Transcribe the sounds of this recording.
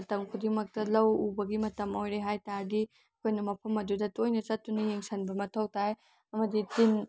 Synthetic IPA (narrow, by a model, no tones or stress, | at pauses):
ɐtɐŋkʰudiŋmɐk̚tɐlɐwubɐɡimɐtɐmojɾeɦajtaɾdi | ɐkʰojnɐmɐpʰɐmɐdudɐtojnɐt͡ʃɐt̚ːunɐjeŋsɐnbɐmɐtʰɐwtʰaj | ɐmɐditin